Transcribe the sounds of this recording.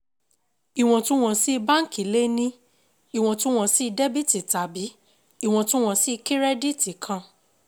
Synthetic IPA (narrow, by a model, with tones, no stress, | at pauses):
i˨w̃ɔ̃˧tũ˦w̃ɔ̃˧si˦˧ba˦ŋ̩˦ki˨˦le˦nĩ˦ | i˨w̃ɔ̃˨˧tũ˦w̃ɔ̃˧si˦˧de˦bi˦ti˨ta˨bi˨˦ | i˦˨w̃ɔ̃˧tũ˦w̃ɔ̃˧˨si˦˧ki˦ɾe˦di˦ti˨kʰã˧